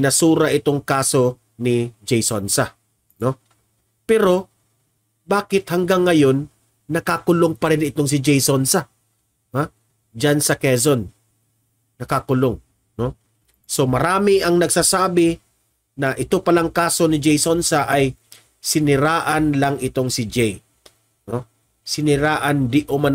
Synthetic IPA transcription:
ɪnɐsuːɾɐʔɪt̪o̞ŋkaːso̞ | nɪd͡ʒɛjsonsa | no̞ | pɛɾo̞ | baːkɪt̪̚hɐŋɡaŋːɐjo̞nː | ɐkakʊloŋpɐɾɪnɪt̪o̞ŋs̬ɪd͡ʒɛjsonsa | ha | d͡ʒansɐkɛsonː | ɐkakʊloŋ | no̞ | so̞mɐɾaːmɪʔɐŋnɐɡ̚saːsaːbɪ | nɐʔɪt̪opɐlaŋkaːso̞nɪd͡ʒɛjsonsaʔaj | sɪnɪɾaːʔɐnlɐŋɪt̪o̞ŋsɪd͡ʒɛj | no | sɪnɪɾaːʔɐnd̪ɪʔoman

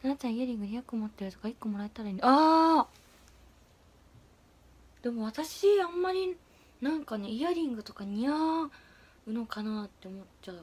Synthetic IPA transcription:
aat͡ɕãiaɾʲĩŋɡɯ̟ɾʲiakɯ̟omot̪ːe̞ɾɯ̟t̪o̞kaikːo̞mo̞ɾaet̪aɾaiɲ̟iaː | d̪̥e̞mo̞βat̪aɕiãmːaɾʲi | nãŋkane̞ijaɾʲĩŋɡɯ̟t̪o̞kaɲ̟ia | ɯ̟no̞kanaːt̪ːe̞omo̞tt͡ɕaɯ̟

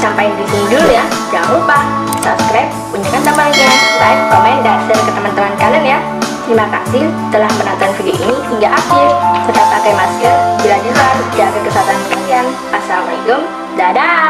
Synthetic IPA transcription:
sampaindisinidulujad͡ʒaŋanupa | sapskɾap̚ːuɲd͡ʒuŋant̪ampaliɡalaik̚komɛndasərkət̪əmənt̪əmankalənja | himaka̰sɪlt̪əlahməna̰ʔt̪anfidioʔinihiŋɡaʔakɪlt̪ət̪ap̚ːakajmaskɾɛt̚d͡ʒilad͡ʒəɦard͡ʒaɡakəsaat̪ansəkalian | pasamaliɡəm | dada

